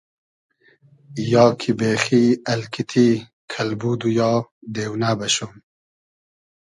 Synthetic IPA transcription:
jɑːkʰibeːxiːɐlkʰit̪ʰiː | kʰɐlbuːd̪ujɑːd̪eːwnabɐʃom

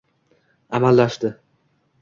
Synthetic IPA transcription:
amalːaʃt̪ɪ

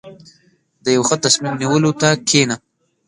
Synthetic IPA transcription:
d̪əjawxət̪asmimniwəlot̪akʰena

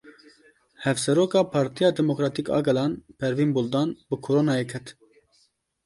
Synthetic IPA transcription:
hɛvsɛɾoːkɑːpʰɑːɾt̪ijɑːd̪ɛmokɾɑːt̪ikɑ̰ːɡɛlɑːnpʰɛɾviːnbuld̪ɑːnbɨkʰoɾoːnɑːjeːkʰɛt̪

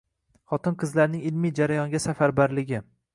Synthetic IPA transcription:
χɒt̪ɪnqʰɨzlaɾnɪŋɪlmijd͡ʒaɾajɒŋɡʲasafaɾbaɾlɪɡʲɪ

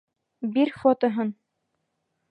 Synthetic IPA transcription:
biɾfot̪ŏɦɤn

